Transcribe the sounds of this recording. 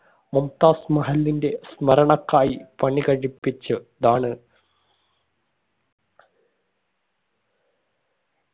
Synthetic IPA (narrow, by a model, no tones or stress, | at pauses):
mumt̪aːsmɐɦɐlːinde̞smɐɾɐɳɐkːaːjipɐɳikɐɻipːit͡ɕːɨd̪aːɳɨ